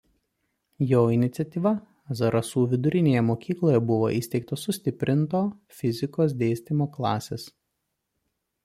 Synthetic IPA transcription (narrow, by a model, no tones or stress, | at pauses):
joːɪnʲɪt̪sʲɛt̪ʲiːʋɐ | ɐzɐɾʔɐsuːʋʲɪd̪ʊɾʲɪnʲeːjɛmoːkʲiːklˠoːjɛbʊʋo̰ːʔɪsʲt̪ʲɛɪk̚t̪oːsʊsʲt̪ʲɪpʲɾʲɪnt̪oːfʲɪzʲɪkoːsd̪ʲeːsʲt̪ʲimoːklˠɑːsʲeːs